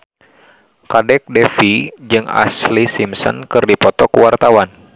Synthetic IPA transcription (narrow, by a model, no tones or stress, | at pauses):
kadɛk̚dɛfid͡ʒɨŋa̰slisimsɔ̰nkɨrdipɔt̪ɔkuwart̪awan